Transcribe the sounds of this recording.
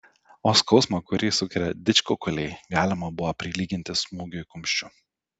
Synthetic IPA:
oːskɒʊsmɐkʊɾʲɪːsʊkʲɛɾʲɛd̪ʲɪt͡ʃʲkokɐlʲɛɪɡɑːlʲɪmɐbʊʋɐpʲɾʲɪlʲiːɡʲɪnʲt̪ʲɪsmuːɡʲʊɪkʊmʲʃʲt͡ʃʲʊ

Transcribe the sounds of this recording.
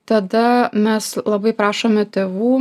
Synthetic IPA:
t̪ɐd̪ɐmʲɛslˠɐbɐɪpɾɑːʃoːmʲɛt̪ʲeːʋuː

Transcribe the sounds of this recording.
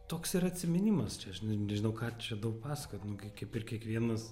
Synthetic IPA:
t̪oːksiɾɐɐtʲsʲɪmʲɪnʲɪmɐst͡ʃʲɛɐʃnnʲɛʒʲɪnɐʊkɑːt͡ʃʲɛd̪ɐʊk̚pɑːsɐ̥koːt̪ʲnʊkɐɪkɐɪpɪrkʲiɛkʋʲiɛnɐs

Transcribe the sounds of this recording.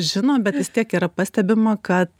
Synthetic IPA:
ʒʲɪnoːbʲɛt̪ʋʲɪst̪ʲiɛkiːɾɐpɐsʲt̪ʲɛbʲɪmɐkɐt̪

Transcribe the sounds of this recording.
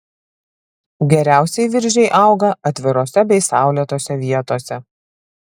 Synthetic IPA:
ɡʲɛɾʲæˑʊsʲɛɪʋʲɪɾʲʒʲɛɪʔɐˑʊɡɐɐt̪ʲʋʲɪɾoːsʲɛbʲɛɪsɑˑʊlʲit̪oːsʲɛʋʲiɛt̪oːsʲɛ

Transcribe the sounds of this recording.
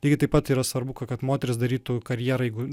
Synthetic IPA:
t̪ʲɛɪɡʲɪt̪ɐɪpɐt̪iːɾɐsʋɐɾbʊkɐkɐt̪moːt̪ʲɛɾʲɪsd̪ɐɾʲiːt̪ukɐɾʲjiɛɾɐjɛɪɡʊ

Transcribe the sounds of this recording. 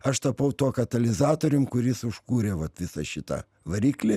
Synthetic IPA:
ɐʃt̪ɐpɐʊt̪oːkɐt̪ɐlʲɪzɑːt̪oːɾʲʊmkʊɾʲɪsʊʃkuːɾʲeːʋɐt̪ʋʲɪsɐʃʲɪt̪ɐ̰ | ʋɐɾʲiːklʲɪ

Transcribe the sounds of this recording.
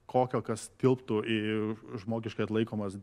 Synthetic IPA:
kʰoːkʲoːkɐst̪ʲɪlˠpt̪ʊɪʒmoːɡʲɪʃkɐɪɐt̪lˠɐɪkoːmɐs

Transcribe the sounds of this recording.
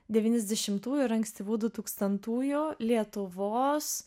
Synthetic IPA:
d̪ʲɛʋʲiːnʲɛzʲd̪ʲɛʃʲɪmt̪uːjuːɾɐŋʲksʲt̪ʲɪbuːd̪ʊt̪uːkst̪ɐnt̪uːjʊlʲiɛt̪ʊʋoːs

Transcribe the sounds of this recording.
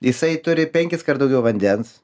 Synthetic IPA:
jɪsɐɪt̪ʊɾʲɪpʲɛŋʲkʲɪskɐɾt̪d̪ɐʊɡʲɛʊʋɐnʲd̪ʲɛns

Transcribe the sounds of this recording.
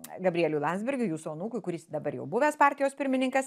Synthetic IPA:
ɡɐbʲɾʲɪɛlʲʊlˠɑnʲzʲbʲɪɾʲɡʲʊjuːsoːnuːkʊɪkʊɾʲɪsd̪ɐbɐɾjɛ̰ʊbʊʋʲɛːspɑːɾʲt̪ʲɪjoːspʲɪɾʲmʲɪnʲɪŋkɐs

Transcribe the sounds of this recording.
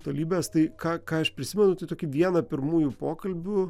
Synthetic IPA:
t̪oːlʲiːbʲɛst̪ɐɪkɑːkɑːɐʃpʲɾʲɪsʲɪmʲɛnʊt̪ɐɪt̪oːkʲɪʋʲiɛnɐpʲɪɾmuːjupoːkɐlʲbʲʊ

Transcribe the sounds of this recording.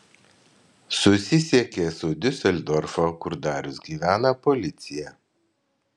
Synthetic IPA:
sʊsʲɪsʲiɛkʲeːsʊd̪ʲɪsʲɛlʲd̪ɔɾfokʊɾd̪ɑːɾʲʊsɡʲiːʋʲæːnɐpɔlʲɪt̪sʲɪjɛ

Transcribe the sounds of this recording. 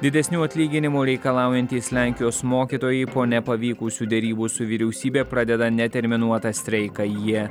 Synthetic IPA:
d̪ʲɪd̪ʲɛsʲnʲuːɐt̪ʲlʲiːɡʲɪnʲɪmuːɾʲɛɪkɐlˠɑˑʊjɛnʲt̪ʲiːslʲæˑŋʲkʲɪjoːsmoːkʲiːt̪oːjɛɪpoːnʲɛpɐʋʲiːkʊsʲuːd̪ʲɛɾʲiːbusʊʋʲɪɾʲɛʊsʲiːbʲeːpɾɑd̪ʲɛd̪ɐnʲɛt̪ʲɛɾʲmʲɪnuɔt̪ɑsʲt̪ʲɾʲɛɪkɑjiɛ

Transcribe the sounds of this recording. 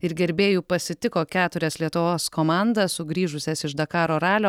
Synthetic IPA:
ɪɾɡʲɛɾʲbʲeːjuːpɐsʲɪt̪ʲɪkoːkʲæːt̪ʊɾʲɛslʲiɛt̪ʊʋoːskoːmɑˑnd̪ɐsʊɡɾʲiːʒʊsʲɛsɪʃd̪ɐkɑːɾoːɾɑːlʲoː

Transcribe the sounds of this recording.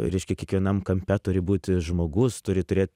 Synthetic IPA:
ɾʲɛɪʃʲkʲɛkʲiɛkʋʲiɛnɐmkɐmʲpʲɛt̪ʊɾʲɪbuːt̪ʲʒmoːɡʊst̪ʊɾʲɪt̪ʊɾʲeːt̪̚ʲ

